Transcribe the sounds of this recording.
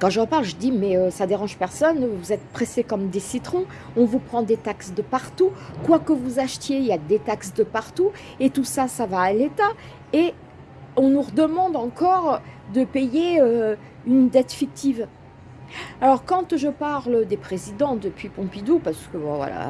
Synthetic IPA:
kɑ̃ʒəʁəpaʁlʒəd̪imɛøsad̪eʁɑ̃ʒpɛʁsɔnvuzɛt̪̚pχesekɔmd̪esit̪χɔ̃ | ɔ̃vupχɑ̃d̪et̪aksd̪əpaʁt̪ukwakəvuzaʃt̪jeiljad̪et̪aksd̪əpaʁt̪u | et̪usasavaːlet̪a | e | ɔ̃nuʁəd̪əmɑ̃d̪ɑ̃kɔʁd̪əpejeø | ynd̪ɛt̪fik̚t̪iv | alɔʁkɑ̃t̪ʒəpaʁləd̪epχezid̪ɑ̃d̪əpɥipɔ̃pid̪upaʁsə̥kəbɔ̰̃vwa̰la̰

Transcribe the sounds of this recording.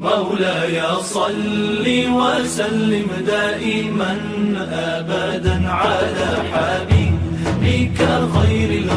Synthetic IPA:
ʔawlaːjaːsˤɑlːiːwaʔsalːɪmd̪aːʔɪmanʔaːbad̪aʕaːlaːħaːbiːbbɪkaɣajɾɪl

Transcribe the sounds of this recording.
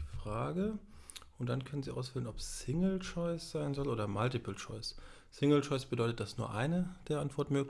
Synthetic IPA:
fʁ̥aːɡəʔʊntd̥ankʰœnənziːʔa̰ʊsfɪlənɔpːɪŋl̩t͡ʃɔɪsz̥aɪnzɔlʔoːdɐmaltɪpl̩t͡ʃɔɪs | sɪŋl̩t͡ʃɔɪsb̥ədɔʏtət̚d̥asnuːɐʔaɪnəd̥eːɐʔantv̥ɔɐtmøːk

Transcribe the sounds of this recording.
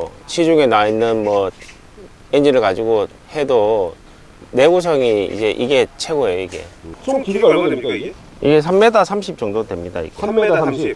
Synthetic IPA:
ɕʰid͡ʑuŋenainːɯnmwʌ | end͡ʑiɾɯɭkad͡ʑiɡo | he̞do | ne̞ɡus̬ʰʌŋiḭd͡ʑe̞ʔiɡe̞t͡ɕʰe̞ɡoejoiɡe̞̰t͡ɕʰomkid͡ʑuɡʌɭɡʌdwemik͈aiɡe | iɡe̞sʰamːe̞dasʰamɕʰip̚t͡ɕ͈ʌŋdodwe̞mɲida̰ḭɡemːedasʰamɕip

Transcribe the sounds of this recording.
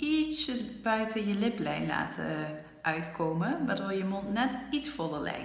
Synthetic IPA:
isəsbœɥtʰənjəlɪplɛ̰jnla̰ːtʰə | ʔœɥtkʰoːməʋadoːɹjəmɔntnɛtitsfʊdəlɛ̰j

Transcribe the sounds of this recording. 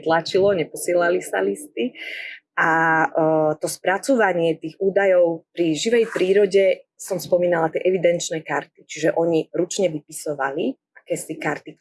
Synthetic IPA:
t̪lat͡ʃilɔɲɛpɔsɪɛlalisa̰list̪i | a | t̪ɔspɾat͡sɔʋaɲɪɛt̪iːɣuːd̪ajɔʊpɾiʒiʋɛjpɾiːɾɔɟɛsɔmspɔmiːnalat̪jɛʔɛʋid̪ɛnt͡ʃnɛːkaɾt̪̚i̥t͡ʃiʒɛʔɔɲiɾut͡ʃɲɛʋipisɔʋali | akɛːsikaɾt̪i

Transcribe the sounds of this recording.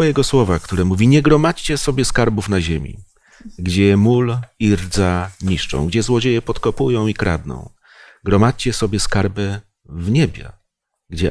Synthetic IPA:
ɔjɛɡɔswɔvakt̪uɾɛmuvʲiɲɛɡɾɔmat͡ɕt͡ɕɛsɔbʲjɛskaɾbufnaʑemʲḭ | ɡd͡ʑɛmuliɾd̪zaɲiʂt͡ʂɔ̰̃w̃ɡd͡ʑɛzwɔd͡ʑejɛpɔt̪kɔpujɔ̃w̃ikɾa̰d̪nɔ̰̃w̃ | ɡɾɔmat͡ɕt͡ɕɛsɔbʲjɛskaɾbɛ | vɲɛbʲja̰ | ɡd͡ʑɛ

